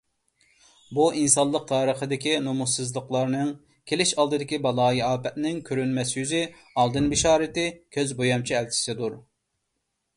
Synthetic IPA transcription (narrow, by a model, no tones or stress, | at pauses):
buʔinsɑnlˠəq̚t̪ʰɑːɾəχəd̪ɪkʲinomusɨzlˠəqlˠɑɾnɨŋ | kʲʰelɪʃɑlˠd̪ɨd̪ɪkʲibɑlˠɑːjiɑːpɛt̪nɪŋkʲʰøɾynmɛsjyzɪ | ɑlˠd̪ɨnbɪʃɑːɾɪt̪ɪkʲʰøzbojɑmt͡ʃʰiɛlt͡ʃʰɪ̥sɪd̪uɾ